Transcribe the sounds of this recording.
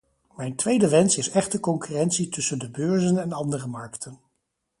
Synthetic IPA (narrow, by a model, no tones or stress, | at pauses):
mɛjntʋejdəʋɛnsɪsɛχtəkɔŋkyrɛnsitɵsəndəbøːɹzənɛnɑndərəmɑɹktʰən